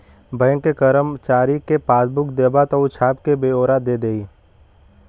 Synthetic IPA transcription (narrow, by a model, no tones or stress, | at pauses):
bəjŋkːekəɾəmt͡ʃaːɾikepaːsbʊkd̪eːbat̪ɔʊt͡ʃʰaːb̚kebeːoːɾad̪eːd̪eːi